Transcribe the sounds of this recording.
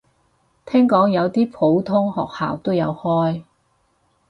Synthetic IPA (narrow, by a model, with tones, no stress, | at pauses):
t̪ʰɛː˥ŋkɔː˨˥ŋjɐ˨˧wt̪iː˥pʰo˨˥wt̪ʰʊ˥ŋhɔ̰ː˨k̚ha̰ː˨wt̪o˥wjɐ̰˨˧whɔː˥j